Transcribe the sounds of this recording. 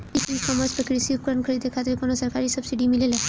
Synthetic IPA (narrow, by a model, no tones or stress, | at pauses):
itinkɔməɾspɾəkɾiesiukɾənkʰəɾed̪ekʰat̪ɾikonosəɾkaɾisəb̥siɖimilela